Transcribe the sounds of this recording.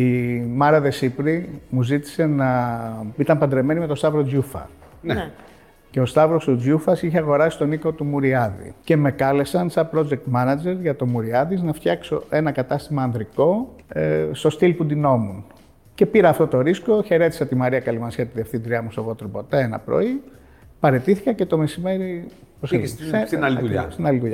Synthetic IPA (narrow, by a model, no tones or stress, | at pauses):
imɐɾɐðe̞sipɾimuzit̪i̥se̞nɐ | it̪ɐmpɐnd̪ɾe̞me̞nime̞t̪ost̪ɐvɾoʝufɐ̰ | ce̞o̞st̪ɐvɾost̪uufɐsiçeɐɣo̞ɾɐsi̥st̪o̞niko̞t̪umuɾiɐðḭce̞me̞kɐle̞sɐnsɐpɾo̞d͡ʒe̞k̚t̪mɐnɐd͡ʒe̞ɾʝɐt̪o̞muɾiɐðiznɐft̪çɐkso̞e̞nɐkɐt̪ɐst̪imɐːnðɾiko̞ | st̪o̞st̪ilpund̪ino̞mun | ce̞piɾɐːft̪o̞t̪o̞ɾisko̞çe̞ɾe̞t̪isɐt̪imɐɾiɐkɐlimɐnsiɐt̪iðefθind̪ɾiɐmust̪ovo̞t̪ɾopo̞t̪eenɐ̰pɾo̞̰i | pɐɾe̞t̪iθikɐce̞t̪o̞me̞sime̞ɾi | possslst̪inɐlit̪uʝɐ